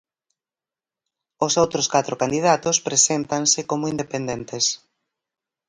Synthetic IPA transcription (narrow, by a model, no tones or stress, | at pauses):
osowt̪ɾoskat̪ɾokand̪iðat̪ospɾesent̪ansɪkomʊind̪epend̪ent̪es